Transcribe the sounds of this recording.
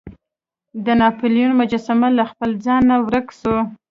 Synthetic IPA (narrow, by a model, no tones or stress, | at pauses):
d̪ənɑpuljunmʊd͡ʒɑsamalaxpəld͡zɑnːawɾəkso